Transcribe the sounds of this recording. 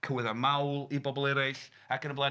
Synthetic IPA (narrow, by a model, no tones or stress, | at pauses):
kʰəwɪðamawlˠibɔbɔlˠɛɾɪɬ | akənəblˠa